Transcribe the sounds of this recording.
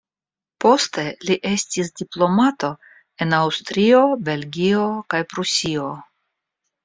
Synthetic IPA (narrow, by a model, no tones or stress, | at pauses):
po̞ste̞liʔe̞stisdiplo̞mato̞ | e̞nawstɾio̞be̞lɡʲio̞kajpɾusio̞